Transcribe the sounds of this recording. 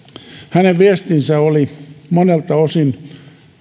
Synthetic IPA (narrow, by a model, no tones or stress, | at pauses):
hæneʋʋiest̪insæolimonelt̪ɑosin